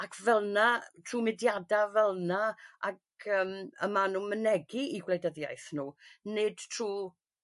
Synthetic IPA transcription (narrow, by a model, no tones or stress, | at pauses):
akʰvɛlˠnatʰruːmɪdjadavɛlˠnaak | əːməmanuːmənɛɡiiɡlejdəðja̰jθnuːnɨd̥tʰruː